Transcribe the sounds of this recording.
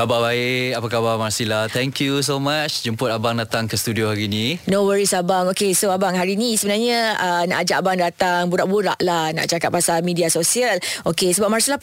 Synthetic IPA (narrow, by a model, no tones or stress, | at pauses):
kababaeʔapakabamarsilaht̪ʰɛŋkjus̬omat͡ʃd͡ʒumpʊt̪abaŋdat̪aŋkəst̪udiohaɾinĩnowəɹisabaŋokesoabaŋɦaɾinĩsəbənarɲãəna̰ʔad͡ʒaʔabaŋdat̪aŋbuɾaʔbuɾa̰ʔlahnã̰ʔt͡ʃakat̪̚pasalmidiasosiəlʔokesəbap̚marsilah